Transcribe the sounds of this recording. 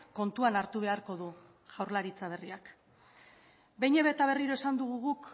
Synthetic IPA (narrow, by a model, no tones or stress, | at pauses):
ko̞nt̪uanaɾt̪uβ̞e̞aɾko̞ðu | ʝ̥awɾlaɾit͡saβ̞e̞riak | bejɲeβet̪aβ̞e̞riɾo̞e̞sand̪uɣ̞uɣuk